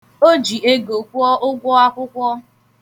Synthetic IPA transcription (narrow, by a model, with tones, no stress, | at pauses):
o˦d͡ʒi˨e˦ɡo˨kʷu˦ɔ˦ʔʊ˦ɡʷɔ˦a˦kʷʊ˦kʷɔ˦